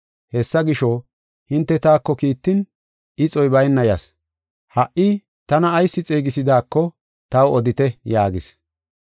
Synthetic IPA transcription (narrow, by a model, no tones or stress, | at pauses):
hɛsːɐɡɪʃɔ | hɪnt̪ːɛt̪aːkːɔkiːt̪ːɪn | ɪt͡sʼɔjbɐjnːɐjɐs | hɐʔʔɪ | t̪ɐnɐːjsːɪt͡sʼeːɡɪsɪd̪aːkːɔ | t̪ɐwɔd̪ɪt̪ɛjaːɡɪs